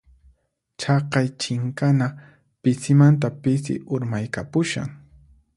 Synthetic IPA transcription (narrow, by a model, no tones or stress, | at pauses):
t͡ʃɑqɑjt͡ʃɪŋkana | pɪsɪmant̪apɪsɪ̰ʔʊɾmajkapʊʃa̰ŋ